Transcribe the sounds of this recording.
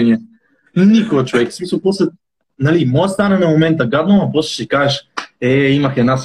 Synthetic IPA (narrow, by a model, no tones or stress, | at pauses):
niɛ | nikoət͡ʃovɛkfsmisɐlˠpɔslɛ | nalimɔɛst̪anɛnɐmomɛnt̪əɡad̪nomɐpɔslɛ̥ʃikaʒɛʃɛimɐxɛd̪nas